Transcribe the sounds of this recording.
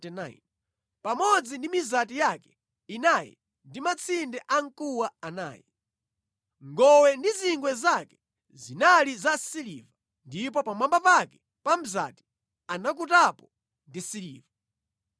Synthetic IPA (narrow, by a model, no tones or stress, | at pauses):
ɛnaḭn | pamɔd͡zindimizatijakɛ̥ | inajɛ̰ | ndimat͡sʰindɛʔaŋ̩kuwaana̰ːjḭ | ŋɡɔwɛndiziŋɡwɛzakɛ̥ | zinalizasiliva | ndip̬ɔpamambapakɛ | pam̩za̰ti̥ | anak̬utapɔ | ndisiliːva